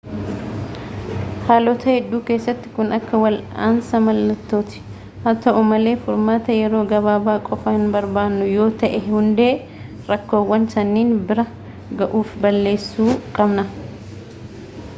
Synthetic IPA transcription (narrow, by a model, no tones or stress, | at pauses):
haːlɔt̪ʰɐhɛd̪ːuːke̞ːsːɐt̪ːɪ̥kʊnʔɐkːɐwɐla̰ːnsɐmɐlːɐt̪ːo̞ːt̪ɪ̥ | hɐt̪ɐʔʊmɐle̞ːfʊɾmaːt̪ɐjɛɾo̞ːɡɐβaːbaːkʼɔfɐhɪnbɐɾbaːnːʊjo̞ːt̪ɐʔɛhʊnd̪e̞ː | ɾɐkːo̞ːwːɐnsɐnːiːnbɪɾɐ | ɡɐʔuːfbɐlːe̞ːsːuːkʼɐbnɐ